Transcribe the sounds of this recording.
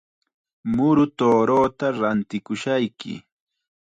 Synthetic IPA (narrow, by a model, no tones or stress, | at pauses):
mʊɾʊt̪oːɾoːt̪aɾant̪ɪkʊʃajkɪ̰